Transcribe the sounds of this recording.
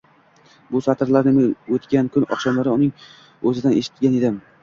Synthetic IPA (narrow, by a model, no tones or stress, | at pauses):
bʊsat̪ʰɪɾlaɾnɪmot̪kʲankʲʰʊnɒ̰χʃɒmlaɾɪʊnɪŋ | ɵzɪd̪anʔeʃɪ̥t̪ɡʲane̞d̪ɪm